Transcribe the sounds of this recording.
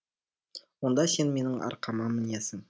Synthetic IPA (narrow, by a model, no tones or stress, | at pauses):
wo̞nd̪ɑse̞nme̞nɪŋʔɑ̰ɾqɑmɑmɪnjesɪŋ